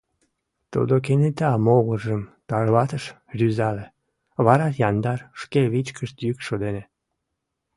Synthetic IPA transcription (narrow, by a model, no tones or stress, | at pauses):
t̪ṵd̪ok̬enet̪ɑmoɣəʒəmt̪ɑrβɑt̪əʃ | rʲyzɑle | βɑɾɑjɑnd̪ɑrʃkeβit͡ɕkəʃt̪jykʃod̪ene